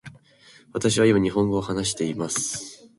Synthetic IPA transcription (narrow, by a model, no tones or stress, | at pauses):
βat̪aɕ̬iβaimaɲ̟iɦõ̞ŋɡo̞ːhanaɕ̬i̥t̪e̞imasɨ̥